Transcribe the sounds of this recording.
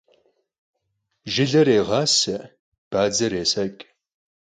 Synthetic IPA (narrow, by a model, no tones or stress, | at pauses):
ʒɪɮɐɾeːʁɑːsɐ | b̥aːd͡zɐɾeːsɐkʼ